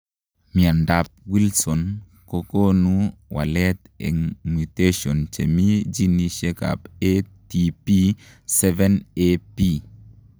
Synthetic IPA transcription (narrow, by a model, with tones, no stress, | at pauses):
mi˨a˨nda˨p̚wi˦lsɔ˨n | ko˦ko˦nu˦wa̰˨lɛ˦t̪ | ɛ̰˨ŋmu˨te˦ʃɔ˨nt͡ʃe˨mi˦d͡ʒi˦ni˨ʃe˦ka̰˨pe˦ti˨pi˦ | sɛ˦vɛ˦nepi˦